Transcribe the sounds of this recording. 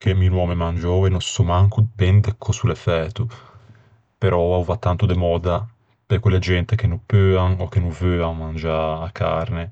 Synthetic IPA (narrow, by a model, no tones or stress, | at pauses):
keminwɔːmemand͡ʒɔːwenɔsumaŋkubɛnd̪ekʰːɔsulefɛːt̪u | peɾʔɔauvat̪ːant̪ud̪emɔːd̪a | pekwelːed͡ʒɛnt̪ek̟enupøːaŋokːenuvøːaŋmand͡ʒaːkʰːa̰ɾne